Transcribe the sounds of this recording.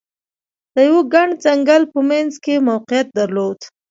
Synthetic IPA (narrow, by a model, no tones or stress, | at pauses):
d̪̥əjaweɡaɳɖzaŋɡalpəmanzkemawqɪjat̪̚d̪aɾlod̪